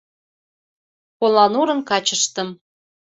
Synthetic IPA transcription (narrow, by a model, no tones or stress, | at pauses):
kolɑnuɾɤ̆nkɑt͡ɕəʃt̪ə̆m